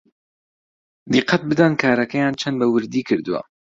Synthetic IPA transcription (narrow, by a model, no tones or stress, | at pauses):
d̪iqːɐt̪̚bɨd̪ankʰaːɾɐkɛjaːnt͡ʃʰɛnd̪bɐwɨɾd̪iːkʰɨɾd̪ɨwa̰